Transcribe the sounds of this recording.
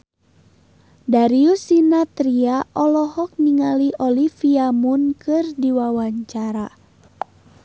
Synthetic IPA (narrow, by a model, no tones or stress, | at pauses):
daɾiusinat̪ɾiaʔɔlɔhɔk̚niŋaliʔɔlifiamunkɨrdiwawaɲt͡ʃaɾa